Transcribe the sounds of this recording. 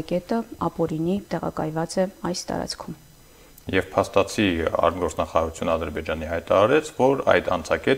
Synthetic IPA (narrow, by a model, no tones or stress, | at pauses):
kɛt̪əɑpɔɾinit̪ɛʁɑ̰kɑjvɑt͡sɛɑjst̪ɑ̰ɾɑ̰t͡sʰkʰum | jɛvpʰɑst̪ɑt͡sʰiɑ̰rd̪ɡɔɾt͡sʰnɑχɑɾɑɾut͡sʰjunəɑd̪əɾbɛd͡ʒɑniɦɑjt̪ɑɾɑɾɛt͡sʰvɔɾɑ̰jd̪ɑ̰nt͡sʰɑkɛ